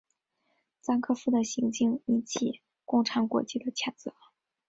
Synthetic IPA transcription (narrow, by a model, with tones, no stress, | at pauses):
t͡sa˥nkʰɤ˥˧fu˥˩d̪ə˨ɕi˧˥ŋt͡ɕi˥˩ŋi˧˥nt͡ɕʰi˨˩ | kʊ˥˩ŋʈ͡ʂʰɑ˧˥ŋkwɔ̰˧˥t͡ɕi˥˩d̪ə˩t͡ɕʰjɑ˨˩nt͡sɤ˧˥˦